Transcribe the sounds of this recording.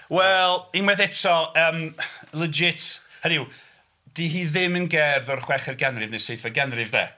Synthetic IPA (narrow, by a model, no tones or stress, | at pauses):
wɛlˠinwɛðɛtʰɔəːmlˠəd͡ʒɪtʰhənɪw | d̥iɦiːðɪmənɡɛrðɔrχwɛχɛrɡɛnrɪvnɨseθvəɡɛnrɪvðɛ̰